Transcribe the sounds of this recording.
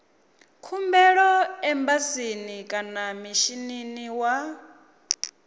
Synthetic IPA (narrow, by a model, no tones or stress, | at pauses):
kʰumbɛɺɔɛmbasinikʼanamiʃininiwa